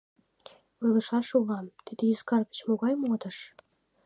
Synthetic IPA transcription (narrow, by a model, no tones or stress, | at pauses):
lɤlə̆ʃɑʃulɑmt̪id̪ĕjyskɑrɣə̥t͡ɕmoɣɑjmod̪ə̆ʃ